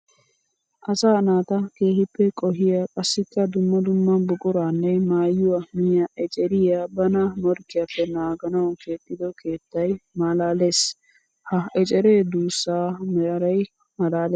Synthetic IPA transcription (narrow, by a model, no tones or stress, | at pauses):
ʔɐsaːnaːt̪ɐke̞ːhɪpːɛkʼɔɦɪjakʼɐsːɪkːɐd̪ʊmːɐd̪ʊmːɐbʊkʼʊɾaːnːɛmaːjːʊwɐmɪjaʔɛt͡ʃʼɛɾɪjabɐnamɔɾkːɪjapːɛnaːɡɐnɐwke̞ːt̪ʼːɪd̪ɔkʰeːt̪ːɐjmɐlaːles | hɐɛt͡ʃʼɛɾeːd̪uːsːaːmɛɐɾɐj | mɐlaːleː